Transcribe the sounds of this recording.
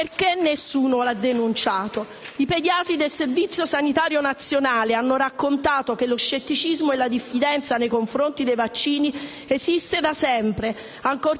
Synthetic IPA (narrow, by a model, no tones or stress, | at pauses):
rkenːesːuːnolad̪ːenunt͡ʃaːt̪o | iped̪jaːt̪id̪elservit̪sːjosanit̪aːɾjonat̪sːjonaːleanːoɾakːont̪aːt̪ok̟elːoʃːet̪ːit͡ʃizmoelːad̪ifːid̪ɛnt̪sanejkoɱfɾont̪id̪ejvat͡ʃːiːni | esist̪ed̪asɛmpɾe | aŋkor